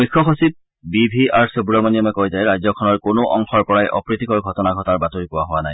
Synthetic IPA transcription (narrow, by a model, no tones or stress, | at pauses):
mikʰːɔxosip̚ | bibʱiaɹsobɹɔmonijɔmɛkojzajɹajzɔkʰɔnɔɹkonoʔɔ̰ŋxɔɹpɔɹajʔɔ̰pɹit̪ikɔɹɡʱɔtɔnaɡʱɔtaɹbatoɹikowaɦowanaj